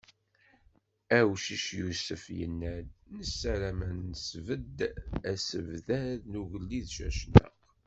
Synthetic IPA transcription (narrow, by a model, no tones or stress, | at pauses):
æwʃiʃjusəfjə̰nːænnəsːæɾæmænːəsvəd̪æsəvðæðnuʝəlːiðʃæ̰ʃnə̰q